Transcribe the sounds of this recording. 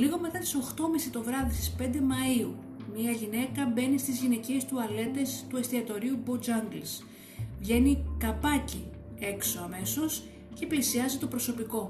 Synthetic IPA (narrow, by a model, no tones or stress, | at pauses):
liɣo̞me̞t̪ɐt̪i̥so̞xt̪o̞misit̪o̞vɾɐðist̪ispe̞nd̪e̞mɐiu | miɐʝine̞kɐbe̞nist̪izʝine̞cie̞st̪uɐle̞t̪e̞st̪ue̞st̪iɐt̪o̞ɾiubod͡ʒɐŋɡls | vʝe̞nikɐpɐci | e̞kso̞ɐme̞so̞s | ce̞plisiɐzit̪o̞pɾo̞so̞piko̞